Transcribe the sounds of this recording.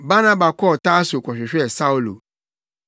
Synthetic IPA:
ba˦nã˦ba˨kɔ˦˨ta˦so˨kʷɔ˨ɕᶣɪ˨ɕᶣɪ˦ɛ˨sa˦u˦lo̰˨

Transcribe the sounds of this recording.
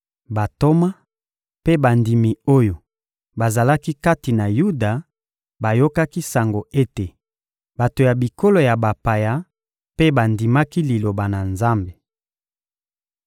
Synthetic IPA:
ba˨to˦ma˦ | pe˦ba˨ndi˨mi˨o˦jo˨ | ba˨za˨la˦ki˦ka˦ti˨na˨ju˦da˨ | ba˨jo˦ka˦ki˦sa˨ŋɡo˨e˦te˨ | ba˨to˨ja˨bi˨ko˦lo˨ja˨ba˨pa˨ja˨˦ | pe˦ba˨ndi˨ma˦ki˦li˨lo˨ba˨na˨nza˦mbe˨

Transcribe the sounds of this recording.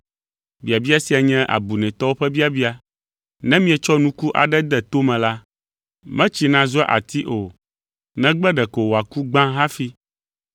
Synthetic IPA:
bi˨a˨bi˦a˦si˨a˨ɲɛ̃˦ʔa̰˨bu˨nɛ̃˨t̪ɔ˦wo˦ɸɛ˦bi˦a˨bi˦a˨ | nɛ̃˦mĩ˦ɛ˨t͡ʃɔ˦nũ˦ku˦ʔa̰˨ɖɛ˦d̪ɛ˨t̪o˦mɛ̃˨la˦ | mɛ̃˦t͡ɕi˨nã˨zu˦a̰˦ʔa̰˨t̪i˦ʔo˨ | nɛ̃˦ɡ͡bɛ˦ɖɛ˨ko˨wa˨ku˦ɡ͡bã˦ɦa˦fi˦

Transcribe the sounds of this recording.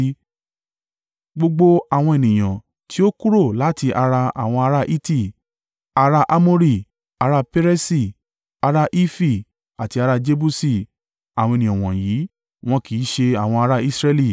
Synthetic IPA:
ɡ͡bo˧ɡ͡bo˧a˨w̃ɔ̃˧e˨nĩ˨j̃ã˨ | ti˨˦o˦ku˦ɾo˦˨la˨˦ti˧ʔa˧ɾa˧a̰˨w̃ɔ̃˧a˧ɾa˦ʔi˦ti˦˨ | a˧ɾa˧ʔa˧mo˦ɾi˦˨ | a˧ɾa˦pe˦ɾe˦si˧˨ | a˧ɾa˧ʔi˦fi˦˨ | a˨ti˧a˧ɾa˧d͡ʒe˦˧bu˦si˦˨ | a˨wɔ̃˧e˨nĩ˨ã˨w̃ɔ̃˨ji˨˦ | w̃ɔ̃˧ki˨˦ʃe˧a˨w̃ɔ̃˧a˧ɾa˦i˦sɾɛ˧li˦˨

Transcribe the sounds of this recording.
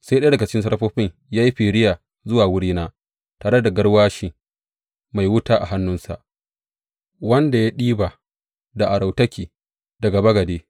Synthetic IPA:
sa˦jɗa˦dɐ˨ɡa˨t͡ʃɪ̥˦kʲɪ˦ns̬ɐ˦ɾɸoː˦ɸɪ˦ɲ | jaː˦ji˦ɸiː˨ɽɪ˦jaː˨ | zʊ˦waː˨wʊ˦ɽiː˦naː˦ | taː˨ɽe˦da˨ɡɐ˦ɽwaː˦ʃɪ˨ŋ | ma˨jwʊ˦taː˦ʔa˨ɦa˦nːʊ˦nsa̰˨ʔ | wɐ˦nda˨ja˦ɗiː˦ba˨ | da˨ʔa˨ɽa˨wtɐ˦kʲiː˨ | dɐ˨ɡa˨bɐ˦ɡɐ˨deː˦

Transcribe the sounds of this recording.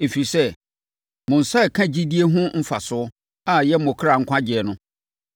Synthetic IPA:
e˨fi˨i˨i˨sɛ˦ | mʊ̃˨n̩˨sa˦ɛ˨kʰã˦d͡ʑi˦di˦e˦ɦʊ̃˦m̩˦fa˨sʊ˦ɔ˦ | a˨jɛ˦m̩˦mʊ̃˨kʰɾa˨ŋ̩˦kʷã˦d͡ʑɪ˨ɛ˨nʊ̃˦

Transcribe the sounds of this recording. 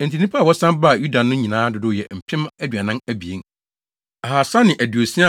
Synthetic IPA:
ɛ̃˨n˨tʰi˨nĩ˦pʰa˦˨wɔ˦sã˦mba˦˨ju˦da˨nʊ̃˦ɲĩ˨nãː˦dʊ˨dʊ˦jɛ˨m̩˨pʰɪ̃˦mæ˦dɥa˨nã˦mæ˦bi˨ẽ˦n | a˨ɦa˨sa˦nɪ̃˨ʔæ˨du˨o˨sĩ˦a˦

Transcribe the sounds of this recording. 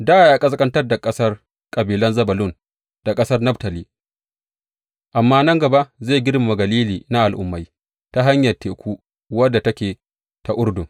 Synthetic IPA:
daː˦a˨jaː˨kʼɐ˦s̬kʼɐ˦ntɐ˦rda˨kʼɐ˦sɐ˦r | kʼɐ˨biː˨lɐ˦nzɐ˦bɐ˨lʊ˦n | d̥a˨kʼɐ˦sɐ˦rnɐ˦btɐ˨liː˦ | ʔa˨mːaː˦nɐ˦ŋɡɐ˨ba˦ʔzeː˦˨ɡʲɪ˦rma˨ma˨ɡɐ˨liː˦liː˨na˦ʔa˨lʔʊ̰˦mːa˨j | ta˦ɦa˦ɲjɐ˨rteː˨kʷuː˦ | wɐ˦dːa˨tɐ˦kʲeː˨ | ta˨ʔʊ˦ɽdʊ˨

